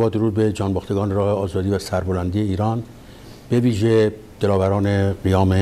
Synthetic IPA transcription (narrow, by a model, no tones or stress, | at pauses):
bɒːd̪oɾuːd̪̚be̞d͡ʒɒːnbɒːxt̪eɡɒːneɾɒːheɒːzɒːd̪iːvæsæɾbolænd̪iːje̞iːɾɒːn | b̥e̞viːʒe | d̪̥elɒːvæɾɒːneɢijɒːme